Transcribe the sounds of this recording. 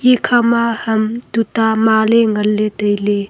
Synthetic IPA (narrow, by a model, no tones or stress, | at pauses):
ikʰamahɐmtutamaleŋɐlːet̪əjle